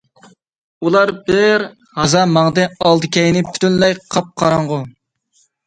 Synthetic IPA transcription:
ulˠɑɾbɪɾ | hɑzɑmɑŋd̪ɨɑlˠd̪ɨkʲʰɛjnɪpʰy̥t̪ynlɛjqʰɑp̚qʰɑɾɑɴʁʊ

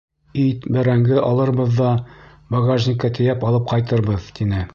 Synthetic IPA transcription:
it̪bæɾæŋɡɘʔɒlˠɤ̆ɾbɤ̆ðːɑ | boɡaʒnʲɪkɑt̪ɘ̆jæpɒlˠɤp̚qɑjt̪ɤ̆ɾbɤðt̪inɘ

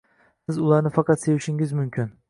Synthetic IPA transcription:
sɪzulˠɑɾnɨfɑqʰɑt̪se̞jiʃiŋʲizmymkʲʰyn

